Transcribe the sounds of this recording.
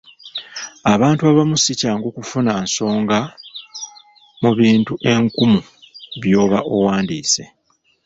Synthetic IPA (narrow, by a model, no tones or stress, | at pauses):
aβaːntuaβamusicaːŋɡoːkufunanso̞ːŋɡa | muβiːntuʔe̞ŋkumu | βjo̞ːβaʔo̞waːndiːse̞